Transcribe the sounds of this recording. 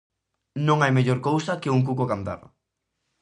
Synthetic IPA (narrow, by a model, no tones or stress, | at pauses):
nõŋajmeʎoɾkowsɐkeuŋk̬ukokand̪a̰ɾ